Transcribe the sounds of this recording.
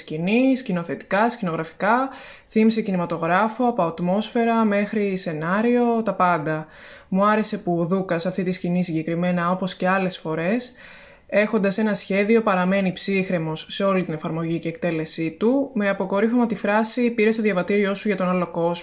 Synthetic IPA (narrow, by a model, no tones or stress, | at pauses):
sciniscino̞θe̞t̪i̥kɐscino̞ɣɾɐfi̥kɐ | θimise̞cinimɐt̪o̞ɣɾɐfo̞ɐpo̞ɐt̪mo̞sfe̞ɾɐme̞xɾise̞nɐɾio̞t̪ɐpɐnd̪ɐ | muɐɾe̞se̞puðukɐsɐft̪it̪iscinisiɲɟe̞kɾime̞nɐo̞po̞sce̞ɐle̞sfo̞ɾe̞s | e̞xo̞nd̪ɐse̞nɐsçe̞ðio̞pɐɾɐme̞nipsixɾe̞mo̞sːe̞o̞lit̪ine̞fɐɾmo̞ʝiceːk̚t̪e̞le̞sit̪ume̞ɐpo̞ko̞ɾifomɐt̪ifɾɐsipiɾe̞st̪oðʝɐvɐt̪iɾio̞suʝɐt̪o̞nɐlo̞ko̞z